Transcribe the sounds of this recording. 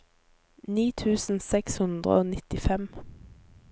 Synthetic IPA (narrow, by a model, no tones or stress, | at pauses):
niːt̪ʰʉːsn̩sɛkshʉnd̪ʁə̰oːnɪt̪ɪfɛm